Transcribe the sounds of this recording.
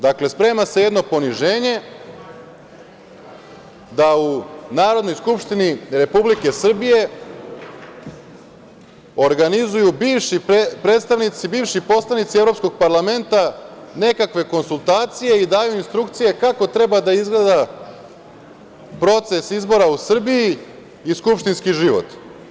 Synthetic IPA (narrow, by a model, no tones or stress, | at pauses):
d̪akle̞spɾe̞ːmaseje̞d̪no̞po̞niʒe̞ːɲe̞ | d̪aunaːɾo̞d̪no̞jskupʃt̪iniɾe̞publike̞sr̩bije̞ | o̞ɾɡanizujubiːʋʃipɾe̞ːd̪st̪aʋnit̪sibiːvʃipo̞slˠanit̪sievɾo̞psko̞ɡ̚paɾlˠame̞nt̪ane̞kakʋe̞ko̞nsulˠt̪aːt̪sije̞id̪aːjuinst̪ɾukt̪sije̞kako̞t̪ɾe̞bad̪aizɡle̞d̪a | pɾo̞t̪se̞sizbo̞ɾausr̩bijiː | skupʃt̪inskiʒiʋo̰t̪